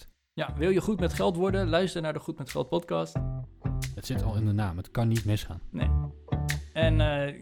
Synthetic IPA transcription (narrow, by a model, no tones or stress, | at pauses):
jaʋɪlˠjəχutmɛtχɛlˠtʋɔɹdəlœɥstəɹnaːɹdəχutmɛtχɛ̰lˠt̚pɔtkɑst | ətsɪtʰɑlˠɪndənaːmətkɑnːitmɪsχa̰ːnnḛj | ɛn